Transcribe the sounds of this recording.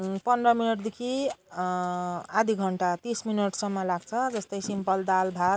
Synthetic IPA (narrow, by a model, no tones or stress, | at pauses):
pʌnʌminʌʈd̪ekʰi | ad̪ʱiɡʱʌɳʈat̪isminʌʈsʌmːʌlaɡ̚t͡sʰʌd͡zʌst̪ʌjsimpʌld̪albʱat̪